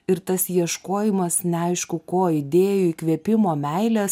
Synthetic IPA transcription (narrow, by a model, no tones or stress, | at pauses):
ɪɾt̪ɐsjiɛʃkoːjɪmɐsnʲɛɐɪʃkʊkoːɪd̪ʲeːjʊikʋʲiɛpʲɪmoːmʲɛɪlʲɛs